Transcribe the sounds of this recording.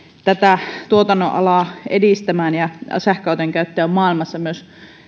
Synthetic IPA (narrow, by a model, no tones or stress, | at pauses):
t̪æt̪æt̪uot̪ɑnːoʔʔɑ̰lɑˑedist̪æmæːnjɑsæhkɑˑut̪eŋkæyt̪ːeæommɑːˑilmɑsːɑmyøs